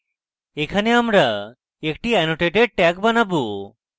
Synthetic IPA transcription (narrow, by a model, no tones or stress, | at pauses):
ekʰaneamɾa | ekʈiɛnoʈeʈeɖ̚ʈɛkbanabu